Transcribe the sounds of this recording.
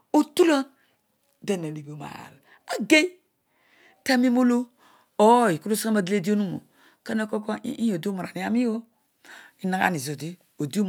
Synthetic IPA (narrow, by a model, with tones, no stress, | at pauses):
o˨tu˦lo˦ | de˨na˨li˨bo˨ma̰˨l | a˦ɡe˦ | ta˦mi˦mo˦lo˦ | o˨˦˨i˨ku˦lo˦sa˦ma˦di˦le˦di˦o˦nu˦mo̰˨ | ka˦na˦ko˦ko̰˦i˦˨o˨dma˨ɾa˨ni˦a˦mi˦o˦ | i˦na˨˦a̰˦˨ni˨zo˨di˦ | o˨di˦o˦